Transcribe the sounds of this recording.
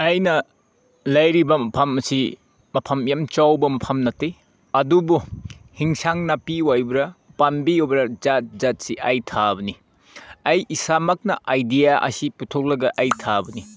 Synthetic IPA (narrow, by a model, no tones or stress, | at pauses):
ɐjnɐ | lɐjɾibɐmɐpʰɐmɐsi | mɐpʰɐmjamt͡ʃawbɐmɐpʰɐmnɐtːej | ɐdubuhiŋsaŋnapiwajbɾɐpanbiobɾɐd͡ʒat̚zat̚siʔɐjtʰabɐni | ɐjʔisamɐk̚nɐʔajdijaʔɐ̰siputʰok̚lɐɡɐʔɐjtʰabɐni